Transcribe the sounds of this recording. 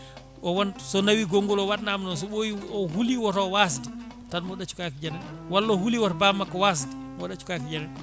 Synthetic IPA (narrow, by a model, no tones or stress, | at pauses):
ʔɔwansɔnawiɡoŋɡɔlɔwaɗnamnɔns̬ɔɓoiɔhuliwɔɾɔwas̬idi | tanmɔɗat͡ʃu̥kakid͡ʒanɛnwalːɔhuliwaɾbamːakːɔwas̬idimɔɗat͡ʃu̥kakid͡ʒanɛn